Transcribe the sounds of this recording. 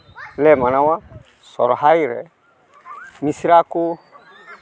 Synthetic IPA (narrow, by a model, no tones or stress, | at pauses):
lɛmanawa | sɔ̰ɾɔɦajɾɛ̰ | misiɾaku